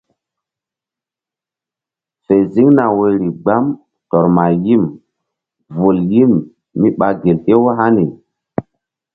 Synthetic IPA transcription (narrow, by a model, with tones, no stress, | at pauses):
fe˨zi˦ŋna˨wo˦ɾi˨ɡ͡ba˦m | tɔ˨ɾma˨ji˦m | vu˨lji˦mː | i˦ɓa˨ɡe˨lʔe˦wo˦ɦa˦ni˨